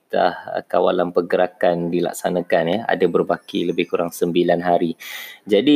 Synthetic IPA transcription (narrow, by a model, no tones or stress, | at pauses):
t̪a̰hka̰wa̰lanpəɡəɾakandila̰k̚sanakanjəa̰dabərbakiləbɪhkuɾaŋsəmbilanɦaɾid͡ʒadi